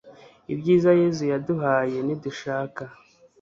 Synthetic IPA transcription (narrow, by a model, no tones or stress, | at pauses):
ḭbɟiːzaje̞ːzujaduɦaːje̞niduʃaːka